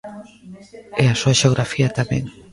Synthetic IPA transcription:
ɛasuaʃeoɣ̞ɾafiat̪amḛ̃ŋ

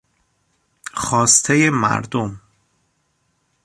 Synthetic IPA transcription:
xɒːst̪ʰejemæ̰ɾd̪om

